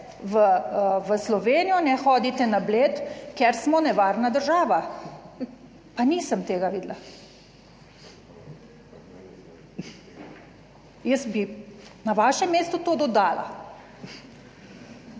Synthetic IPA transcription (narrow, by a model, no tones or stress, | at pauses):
ʋəʋəslɔʋeːnijɔnɛxɔːd̪it̪ɛnableːt̪keɾsmɔnɛʋaːɾnad̪əɾʒaːʋa | paniːsəmt̪eːɡaʋiːd̪la | jəsbinaʋaːʃɛmːeːst̪ut̪oːd̪ɔd̪aːlʔa̰